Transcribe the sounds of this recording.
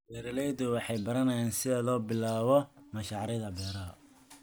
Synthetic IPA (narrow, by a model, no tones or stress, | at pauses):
bɛːɾɐlɛjðʊwɑħɑjbɐɾɐnɐjaːnsɪðɐlɔːbɪlaːβɔmɐʃɑʕɾɪðɐbɛːɾɐ